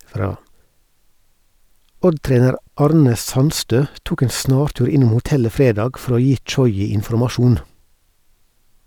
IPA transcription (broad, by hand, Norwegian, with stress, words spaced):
ˈɔdˌtɾeːnəɾ ˈɑːɾnə ˈsɑnstøː ˈtuːk ˈeːn ˈsnɑːɾˌtʉːɾ ˈɪnʊm hʊˈtɛlə ˈfɾeːdɑːɡ ˈfɔɾ ˈoː ˈjiː ˈt͡ʃɔʏɪ ɪnfɔɾmɑˈʃuːn